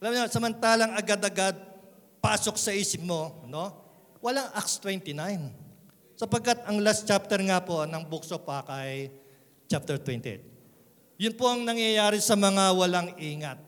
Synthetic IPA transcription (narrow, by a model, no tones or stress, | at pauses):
ʔɐlamɲasɐmɐnt̪aːlɐŋɐɡad̪ɐɡad̪̚paːso̞ksɐʔiːsɪp̚mo̞no̞ | wɐlaŋʔakst̪wɛnt̪ɪnajn | sɐpɐɡ̚kːat̪ɐŋlast̪t͡ʃap̚t̪ɛɾŋapo̞nɐŋbuksopɐkɐj | t͡ʃap̚t̪ɛɾt̪wɛnt̪ɛ̰ | jʊnpoʔɐŋnɐŋjɐjaːɾɛsɐmɐŋawɐlaŋʔiːŋɐt̪̚